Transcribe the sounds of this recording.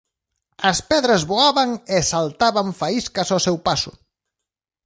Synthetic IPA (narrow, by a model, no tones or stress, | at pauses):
ɐspɛðɾazβoaβaŋesalt̪aβaɱfaiskasosɛwpasʊ̰